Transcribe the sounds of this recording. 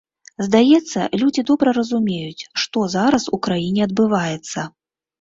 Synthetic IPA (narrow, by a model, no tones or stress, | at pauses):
zd̪ajɛt̪sːɐ̰lʲud͡zʲid̪ɔbɾɐɾɐzumʲejut͡sʲʂt̪ɔzaɾɐsukɾajinʲɛɐd̪̚bɨvajɛt̪sːɐ